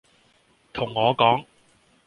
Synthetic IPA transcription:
t̪ʰʊ˨˩ŋːɔː˨˧kɔː˨˥ŋ

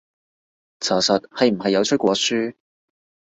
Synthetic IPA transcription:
t͡sʰɔː˨˩sɐ˨t̚hɐ˨jm̩˨˩ɦɐ˨jːɐ˨˧wt͡ʃʰɵ˥t̚kʷɔː˨˥syː˥

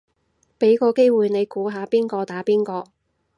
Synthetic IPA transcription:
pe˨˥jkɔː˧ke˥jwuː˨jne˨˧jkuː˨˥ɦaː˨˧piː˥nkɔː˧t̪aː˨˥piː˥nkɔː˧

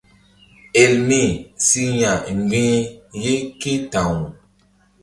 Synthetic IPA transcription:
e˨lmi˦˨si˦ɲa˨ŋ˨ɡ͡bĩ˦je˦ke˦ta˨ŋu˨

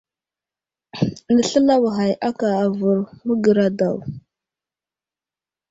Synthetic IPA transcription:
nə˨ɬə˦la˦wa˨ɦa˨jʔa˦ka˨a˨və˨ɾmə˦ɡə˨ɾa˨da˨w

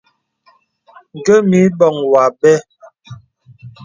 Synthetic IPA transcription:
ŋ̩˨ɡə˦mi˨˦bɔ˨ŋwa˨bɛ˦

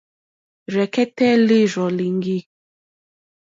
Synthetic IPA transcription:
ɾɛ˨kɛ˦tɛ˦li˦ɾɔ˨li˨ŋɡi˦

